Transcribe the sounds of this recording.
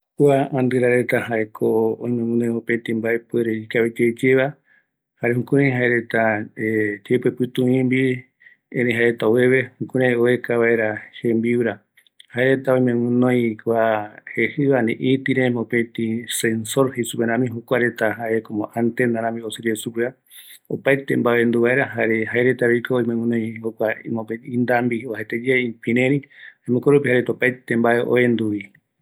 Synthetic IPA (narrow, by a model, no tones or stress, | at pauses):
kʷaand̪ɨɾaɾe̞t̪ahaekʰoõĩj̃mẽŋɨ̃nõj̃õpẽt̪ĩmbaʔepueɾeikaβed͡ʒejd͡ʒeβa | haɾehũkũɾẽjɦaeɾe̞t̪aed͡ʒepepɨt̪ũĩmbi | ẽɾ̃ẽɦaet̪aoeβe̞hũkũɾẽoekaβaʔeɾahẽmbiwɾa | haeɾe̞t̪aõj̃mẽŋɨ̃nõjkʷahehɨβanḛ̃ʔit̪iɾemõpet̪isensoɾhesupeɾ̃ãmĩɦokʷaɾet̪aɦaʔekomõʔant̪end̪aɾãmĩosɨɾiesukea | opajt̪embaend̪uβaeɾaɦaɾeɦaeɾet̪aɾejkʰoːimẽwɨ̃nõj̃hokʷamõpeĩnd̪ambiohet̪ed͡ʒeeipĩɾẽɾĩãmõkoɾupihaɾet̪aopajt̪embaeʔo̰end̪uβi